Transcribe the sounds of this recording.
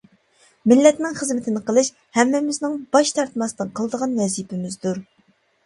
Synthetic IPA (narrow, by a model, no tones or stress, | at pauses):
mɪlːɛt̪nɪŋχəzmɪt̪ʰɪnɨqəlˠɨʃ | hɛmːɪmɪznɪŋbɑʃt̪ʰɑɾt̪mɑst̪ɨnqʰəlˠd̪əʁɑnwɛzjipʰɪmɪzd̪uɾ